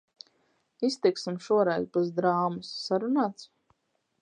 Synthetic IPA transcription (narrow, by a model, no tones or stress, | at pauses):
ist̪iksimʃuɔɾɛjzpaz̬d̪ɾaːmusːaɾunaːt̪s